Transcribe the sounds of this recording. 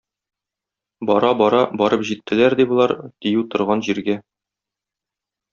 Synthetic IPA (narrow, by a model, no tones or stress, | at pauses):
bɒɾɑbɒɾɑbɒɾɤpʑit̪ːɘ̆læɾd̪ibulˠɑɾt̪ĭjʉwt̪ŏɾʁɑnʑiɾɡæ